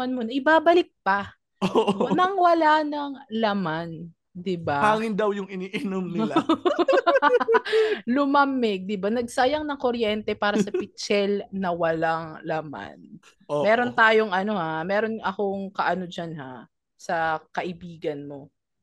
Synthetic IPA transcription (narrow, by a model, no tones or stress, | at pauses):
ɐnmonɐʔɪbaːbɐlɪk̚pɐ | onɐŋwɐlanɐŋlɐman | d̪ɪbahaːŋɪnd̪ɐwjʊŋɪniːʔɪnomnɪa | lʊmamɪɡ̚d̪ɪbanɐɡ̚sajɐŋnɐŋkoɾjɛnt̪ɛpaːɾɐsɐpɪt̪t͡ʃɛlnɐwɐlaŋlɐma̰n | omɛːɾo̞nt̪aːjoŋʔɐno̞hamɛːɾo̞nɐko̞ŋkɐʔɐno̞d͡ʒanha̰ | sɐkɐʔɪbiːɡɐnmo̞